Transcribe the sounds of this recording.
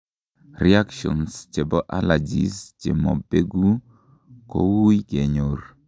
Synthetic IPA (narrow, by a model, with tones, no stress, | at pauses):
ria˦kʃɔ̰˨nst͡ʃe˨bɔ˦ʔa˦la˨d͡ʒḭ˨st͡ʃe˨mɔ̰˨be˦ɡu˦ | ko̰˦wu˦jɡe˨ɲo˨r